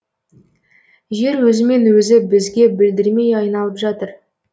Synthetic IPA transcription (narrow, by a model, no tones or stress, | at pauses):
ʒe̞ɾwɵzɪme̞nwɵzɪbɪzɡʲe̞bɪld̪ɪɾme̞jɑjnɑlˠəpʒɑt̪əɾ